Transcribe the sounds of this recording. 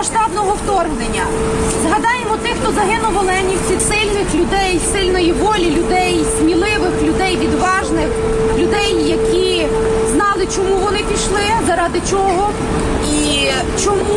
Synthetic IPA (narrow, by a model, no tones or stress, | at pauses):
ɐʃt̪ɑbnɔɦɔwt̪ɔrɦnenʲːɐ | zɦɐd̪ɑjemɔt̪ɪxt̪ɔzɐɦɪnʊʋɐlˠɪɐnʲiwt͡sʲisɪlʲnɪxlʲʊd̪ɛjsɪlʲnɔjiʋɔlʲilʲʊd̪ɛjsʲmʲilˠɪʋɪxlʲʊd̪ɛjʋʲid̪ʋɑʒnɪx | lʲʊd̪ɛjːɐkʲi | znɑlˠɪt͡ʃɔmuʋɔnɪpʲiʃlˠɪzɐɾɑd̪ɪt͡ʃɔɦɔ | i | t͡ʃɔmu